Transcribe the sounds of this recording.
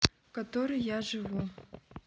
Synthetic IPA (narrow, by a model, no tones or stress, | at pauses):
kat̪ɔɾɨjaʐɨvu